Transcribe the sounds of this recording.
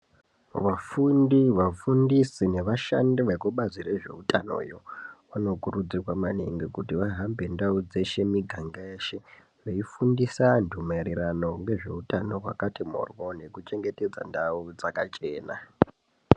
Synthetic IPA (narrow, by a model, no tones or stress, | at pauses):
ʋafundiʋafundisine̞ʋaʃa̰ndiʋekuɓazire̞ʐe̞̰utano̞̰jo̞ʋano̞kurud͡zirwamaneŋɡikutiʋaɦambendaud͡ze̞ʃe̞miɡʱaŋɡaeʃe̞ | ʋeifundisandʱumarirano̞ŋɡe̞ʐe̞̰utano̞kwa̰katimo̰rwo̞ne̞kut͡ʃe̞ŋɡe̞te̞d͡za̰ndaud͡zakat͡ʃe̞ːna̰